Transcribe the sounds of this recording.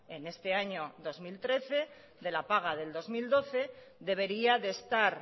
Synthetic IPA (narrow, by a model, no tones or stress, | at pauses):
e̞ne̞st̪e̞aɲo̞ðo̞zmilt̪ɾe̞θe̞ | ðe̞lapaɣ̞aðe̞ld̪o̞zmild̪o̞θe̞ | ðe̞β̞e̞ɾiaðe̞st̪aɾ